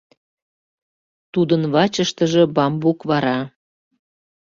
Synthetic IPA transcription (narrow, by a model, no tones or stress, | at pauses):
t̪ud̪ənβɑt͡ɕəʃt̪əʒəbɑmbukβɑɾɑ